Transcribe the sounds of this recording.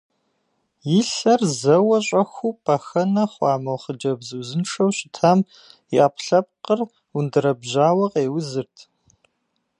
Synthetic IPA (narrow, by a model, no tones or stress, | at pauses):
jɪɬɐrzɐwɐɕʼɐxʷuːpʰʼɐxɐnɐχʷɑːmɐwχəd͡ʒɐbzɨwzɨnʂɐwɕɪtʰaːm | iʔaːpʰɬɐp̚qər | undɨɾɐbʑaːwɐqeːwʊzɨrtʰ